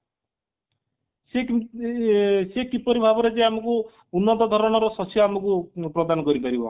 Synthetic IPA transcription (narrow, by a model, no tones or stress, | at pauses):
se | sekipɔɾibʱabɔɾed͡ʒeamɔku | unːɔd̪ɔd̪ʱɔɾɔɽ̃ɔɾɔsɔsjɔamɔkupɾɔd̪anɔkɔɾipaɾibɔ̰